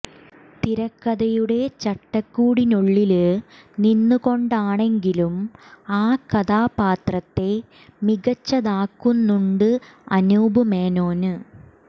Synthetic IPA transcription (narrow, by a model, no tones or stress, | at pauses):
t̪iɾɐkːɐðɐjuɽe̞t͡ɕɐʈːɐkːuːɽinoɭːilɨninːuko̞ɳɖaːɳe̞ŋɡilumaːkɐðaːpaːt̪rɐt̪ːe̞ | miɡɐt͡ɕːɐðaːkːunːuɳɖɨɐ̰nuːbumeːno̞ːnɨ